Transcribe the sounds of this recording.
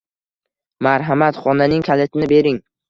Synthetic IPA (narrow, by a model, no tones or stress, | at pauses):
maɾɦamat̪χɒnanɪŋkʲʰalet̪ʰɪnɪbe̞ɾɪŋ